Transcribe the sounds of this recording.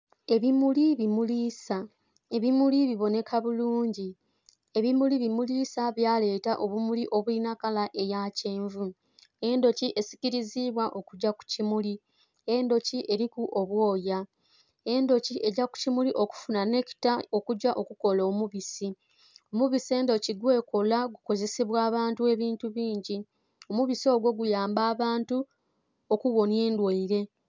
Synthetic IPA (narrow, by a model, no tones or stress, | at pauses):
e̞βimuliβimuliːsa | eβimuliβiβo̞ne̞kʰaβuluːɲɟi | e̞βimuliβimuliːsaβjaːle̞ːtaʔo̞βumuliʔo̞βulinakalaʔe̞jaːceːɱvu | e̞ndo̞ciʔe̞si̥ciɾiziβwaʔo̞kuɟaku̥cimuli | e̞ndo̞ciʔe̞ɾikuʔo̞βwo̞ːja | e̞ndo̞cie̞ɟaku̥cimuliʔo̞ku̥funane̞ki̥tao̞kuɟaʔo̞kuko̞loːmuβisi | o̞muβise̞ːndo̞ciɡwe̞ːko̞laɡuko̞ze̞siβwaːβaːntue̞βiːntuβiːɲɟi | o̞muβisio̞ːɡwo̞ɡujaːmbaːβaːntu | okuβo̞nje̞ːndweiɾe̞